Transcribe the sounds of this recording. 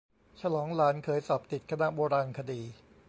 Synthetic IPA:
t͡ɕʰa˧lɔː˩˦ŋlaː˩˦nkʰɤː˩˦jsɔː˨˩p̚t̪i˨˩t̪̚kʰa˧na˦˥ʔboː˧ɾaː˧nkʰa˧diː˧

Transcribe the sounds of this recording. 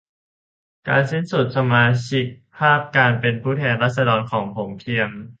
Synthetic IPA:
ka̰ː˧nse˥˩nsu˨˩t̪̚sa˧maː˧t͡ɕʰi˦˥k̚pʰaː˥˩p̚kaː˧npe˧npʰuː˥˩t̪ʰɛː˧nɾaː˥˩t̪̚sa˧dɔː˧nkʰɔː˩˦ŋpʰo˩˦mkʰi˧əm

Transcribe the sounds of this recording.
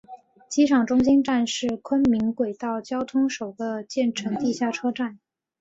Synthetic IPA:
t͡ɕi˥ʂʰɑ˨˩ŋʈ͡ʂʊ˥ŋɕi˥nʈ͡ʂa˥˧nʂɻ̩˥˩kʰwə˥nmi˧˥nkwe˨˩ɪt̪ɑ˥˩ʊt͡ɕjɑ˥ʊt̪ʰʊ˥ŋʂo˨˩ʊɡ̪ə˦t͡ɕjɛ˥˩nʈ͡ʂʰɤ˧˥ŋt̪i˥˧ɕja˥˩ʈ͡ʂʰɤ˥ʈ͡ʂa˥˩n

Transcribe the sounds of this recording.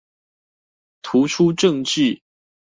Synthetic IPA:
t̪ʰu˨˦ʈ͡ʂʰu˦ʈ͡ʂɤ˥˨ŋt͡ɕi˥˨

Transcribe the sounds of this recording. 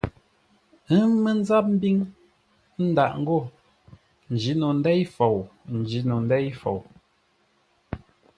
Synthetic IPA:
ə˦mə˦n̩˦za˦p̚m̩˦bi˦ŋ | n̩˦da˨ʔŋ̩˦ɡo˦˨ | n̩˨d͡ʒi˨˦no˨n̩˦dɛ˦jfo˨wn̩˨d͡ʒi˨˦no˨n̩˦dɛ˦jfo̰˨w

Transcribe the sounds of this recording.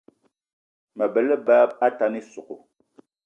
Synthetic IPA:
mə˨bə˨lə˦baː˦b̚a˦ta˦ni˦su˨ko̰˨

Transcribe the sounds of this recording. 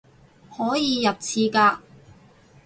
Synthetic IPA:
hɔː˨˥jiː˨˧jɐ˨t̚t͡sʰiː˧kaː˧

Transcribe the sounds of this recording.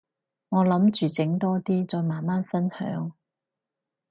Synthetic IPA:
ŋɔː˨˧lɐ˨˥mt͡ʃyː˨t͡sɪ˨˥ŋt̪ɔː˥t̪iː˥t͡sɔː˧jmaː˨˩nmaː˥nfɐ˥nhœ̰ː˨˥ŋ

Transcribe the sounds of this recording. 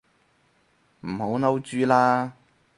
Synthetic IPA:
m̩˨˩ho˨˥wnɐ˥wt͡ʃyː˥laː˥

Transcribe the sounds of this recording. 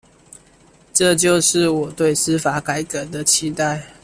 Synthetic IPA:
ʈ͡ʂɤ˥˨t͡ɕjo˥˧ʊʂɻ̩˥˨wɔ˨˩t̪we˥˨ɪs̩˦fa˨˥˦ka˨˩˦ɪkə˨˩˦d̪ə˨t͡ɕʰi˦t̪a˥˨ɪ

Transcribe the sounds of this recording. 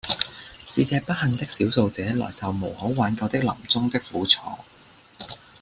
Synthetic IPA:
siː˧t͡sɛː˧pɐ˥t̚hɐ˨ŋt̪ɪ˥k̚siː˨˥wso˧wt͡sɛː˨˥lɔ̰ː˨˩jsɐ˨wmo˨˩who˨˥waː˨˥nkɐ˨˧wt̪ɪ˥k̚lɐ̰˨˩mt͡sʊ˥ŋt̪ɪ˥k̚fuː˨˥t͡sʰɔ̰ː˧˥

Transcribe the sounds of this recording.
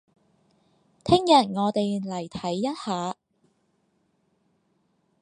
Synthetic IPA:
t̪ʰɪ˥ŋjɐ˨˩t̚ŋɔː˨˧t̪e˨jlɐ˨˩jt̪ʰɐ˨˥jːɐ˥t̚haː˨˧

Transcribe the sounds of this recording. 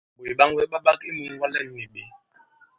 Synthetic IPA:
ɓo˨i˨ɓa˦ŋ˦wɛ˦ɓa˦ɓa˦ki˦mu˨ŋ˦wa˦lɛ˦m̩˨ni˨ɓe˨˦

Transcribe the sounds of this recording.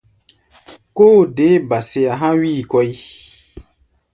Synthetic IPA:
koː˦de˨˦ba˨se˨a˨ɦã˦wiː˦˨kɔ˦i˦

